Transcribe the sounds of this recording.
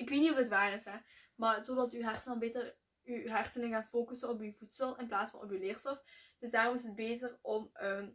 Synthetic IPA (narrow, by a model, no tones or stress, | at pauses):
ɪkʋeːtniɦudətʋaːrɪsɦɛmaːrzodɑtyːɦɛrsənɔmbeːtər | yɦɛrsənəɣaːnfoːkəsənɔpywvutsəlˠɪnplaːtsfɑ̰nʔɔ̰pylɪːrstɔfd̥ɵsdaːrɔmɪsəd̚beːtərɔmə